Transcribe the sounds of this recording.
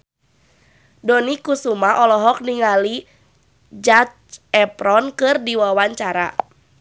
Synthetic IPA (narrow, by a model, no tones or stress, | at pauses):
dɔnikusumaʔɔlɔɦɔk̚niŋali | d͡ʒat͡ʃɛpɾɔnkɨrdiwawaɲt͡ʃaɾa̰